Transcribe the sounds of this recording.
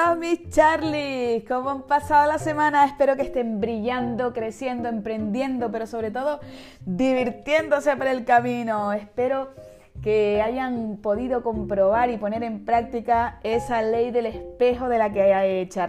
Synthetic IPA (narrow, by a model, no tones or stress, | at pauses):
omit͡ʃaɾlihko̞moampasaðolase̞mãnae̞hpe̞ɾo̞ke̞ht̪e̞mbɾiʎand̪o̞kɾesje̞nd̪o̞e̞mpɾẽ̞nd̪je̞nd̪o̞pe̞ɾo̞so̞βɾe̞t̪̬o̞ðo̞ | d̪iβ̞iɾt̪je̞nd̪o̞sepoɾe̞lkamĩnoe̞hpe̞ɾo̞ | ke̞aʝaŋpo̞ðiðo̞kõ̞mpɾo̞β̞aɾipo̞ne̞ɾe̞mpɾak̚t̪ikae̞sale̞jðe̞le̞hpe̞xo̞ðe̞lakeaajet͡ʃa